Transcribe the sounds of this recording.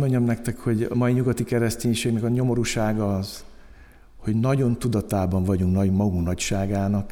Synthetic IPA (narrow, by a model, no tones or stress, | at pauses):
mo̞ɲːɒmnɛk̚t̪ɛkho̞ɟɒ̰mɒiɲuɡɒt̪ikɛɾɛsceːɲʃeːɡnɛkɒɲo̞mo̞ɾuʃaːɡɒz̥ | ho̞ɟnɒɟo̞nt̪ud̪ɒt̪aːbɒɱvɒɟuŋknɒɟmɒɡunɒcʃaːɡaːnɒk